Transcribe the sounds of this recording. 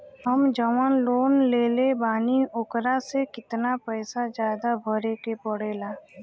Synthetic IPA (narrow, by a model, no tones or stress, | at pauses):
ɦəmd͡ʒəʋanloːnleːlebaːniʊkɾasekɪt̪napɛːsad͡ʒjaːd̪abʱəɾekepəɽeːlaː